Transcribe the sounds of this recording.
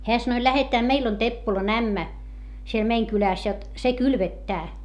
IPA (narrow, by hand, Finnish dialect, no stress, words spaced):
heæ sɑnoĭ læhetæː meil on tepːolɑn æmːæ siel meiŋ kylæˑs jot se kylʋetːæː